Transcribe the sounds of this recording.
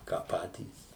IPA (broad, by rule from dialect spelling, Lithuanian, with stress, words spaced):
kɑː ˈpɑːtʲiːs